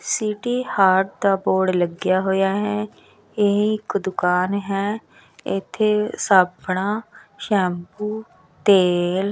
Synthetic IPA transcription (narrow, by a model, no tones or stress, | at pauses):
siːʈiːhaːɾʈd̪aːboːɽləɡɪjaːɦoːjaːɦɛ̃ː | eĩɪkd̪ʊkaːnɦɛ̃ː | ɪt̪ʰːeːsaːbɳaːʃɛ̃ːmbuː | t̪eːl